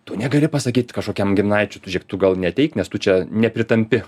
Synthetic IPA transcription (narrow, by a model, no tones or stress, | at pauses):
t̪oːnʲɛɡɐlʲɪpɐsɐkʲiːt̪ʲkɐʃkoːkʲɛmɡʲɪmnɑɪt͡ʃʲʊt̪ʊʒʲɛkt̪ʊɡɐlˠnʲɛt̪ʲɛɪknʲɛst̪ʊt͡ʃʲɛnʲɛpʲɾʲɪt̪ɐmʲpʲɪ